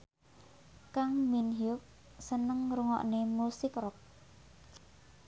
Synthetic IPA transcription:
kaŋminɦiʊk̚ | sənəŋɾuŋɔ̰ʔnemusikrɔk̚

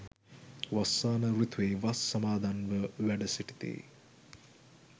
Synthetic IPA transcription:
ʋɐsːaːnɐɾut̪ʋeːʋɐsːɐmaːd̪ʱanʋəʋæɖɐsiʈi̥t̪ḛː

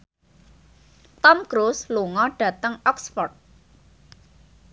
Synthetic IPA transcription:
t̪ɔmkɾusluŋɔɖ̥ä̤t̪əŋɔksfɔrt̪̚

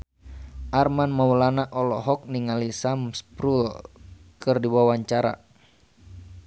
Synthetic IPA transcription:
ʔarmanmaulanaʔɔlɔɦɔk̚niŋalisamspɾulkɨrdiwawaɲt͡ʃaɾa̰

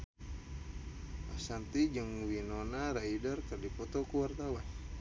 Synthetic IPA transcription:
asant̪id͡ʒəŋwinonaɾaidarkərdipɔt̪ɔkuwart̪awan

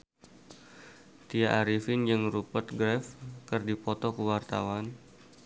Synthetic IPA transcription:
t̪iaʔaɾifind͡ʒɨŋrupərt̪̚ɡɾɛfkɨrdipɔt̪ɔkəwart̪a̰wan

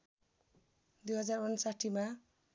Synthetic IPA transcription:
d̪ujɦʌd͡zarunsaʈʰima

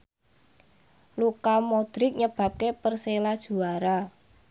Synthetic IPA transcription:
lukamod̪̥ɾɪk̚ɲəb̥ä̤p̚kepərselad̥ʒ̥ṳaɾa

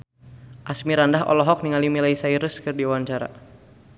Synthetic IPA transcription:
ʔasmiɾandaɦɔ̰lɔɦɔk̚niŋalimilaisaiɾəskɨrdiawaɲt͡ʃaɾa̰

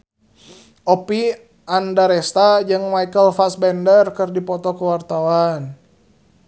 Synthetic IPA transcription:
ʔɔpi | ʔandaɾɛst̪ad͡ʒɨŋmajkəlfasbɛndərkɨrdipɔt̪ɔkəwart̪awan

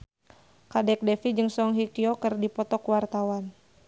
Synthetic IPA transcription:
kadɛk̚dɛfid͡ʒɨŋsɔŋɦikiokərdipɔt̪ɔkwart̪awan

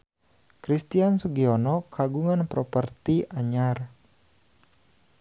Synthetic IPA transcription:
kɾist̪iansuɡiɔnɔkʰaɡuŋanpɾɔpərt̪iaɲar

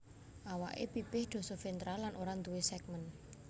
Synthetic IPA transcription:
ʔawa̰ʔḛpipɪhd̪̥ɔ̤sɔfint̪ɾalanʔoɾant̪uwesɛk̚mən

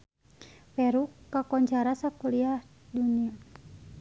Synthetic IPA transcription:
pɛɾukːakɔɲt͡ʃaɾasakuliah | dunia

